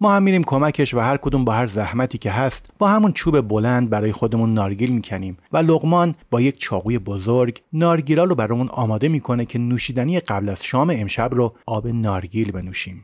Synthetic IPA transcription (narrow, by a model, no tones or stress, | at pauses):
mɒːhæmːiːɾiːmkʰo̞mæcʰe̞ʃvæhæɾkʰo̞d̪uːmbɒːhæɾzæhmæt̪ʰiːcʰʲe̞ɦæst̪b̥ɒːhæmunt͡ʃʰuːbe̞bo̞lænd̪̚bæɾɒːje̞xo̞d̪e̞munːɒːɾɟiːlmiːcʰæniːmvæloɣmɒːnb̥ɒːjecʰt͡ʃʰɒːɣuːje̞bozoɾɡnɒːɾɟiːlɒːɾobæɾɒːmunɒ̰ːmɒːd̪e̞miːkʰo̞ne̞cʰe̞nuːʃiːd̪ænijeɢæblæz̥ʃɒːme̞emʃæbroɒːbe̞nɒːɾɟiːlbe̞nuːʃiːm